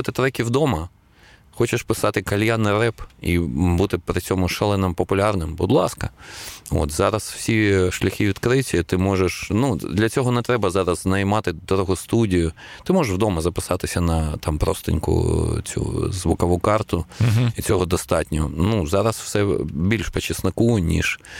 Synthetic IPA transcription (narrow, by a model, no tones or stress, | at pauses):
ut̪ɪt̪ɾɛkʲiwd̪ɔmɐ | xɔt͡ʃɪʃpɪsɑt̪ɪkɐlʲjanɪrɛpibut̪ɪpɾɪt͡sʲɔmʊʃɛlˠɛnɛmpɔpʊlʲɑrnɪmbʊd̪lˠɑskɐo̰t̪zɑɾɐsw̥sʲiʃlʲɐxʲiʋʲid̪kɾɪtʲɐt̪ɪmɔʒeʃnud̪lʲɐt͡sʲɔɦɔnɛt̪ɾɛbɐzɑɾɐznɐjmɑt̪ɪd̪ɔɾɔɦɔst̪udʲijʊ | t̪ɪmɔʒeʃwd̪ɔmɐzɐpɪsɑt̪ɪsʲɐnɐt̪ɑmpɾɔ̰st̪ɪ̰nʲkʊ̰t͡sʲṵzʋʊkɐʋukɑrt̪ʊit͡sʲɔɦɔd̪ɔst̪ɑtʲnʲɔɔnuzɑɾɐswsɛbʲilʲʃpet͡ʃɪsnɐkunʲḭʃ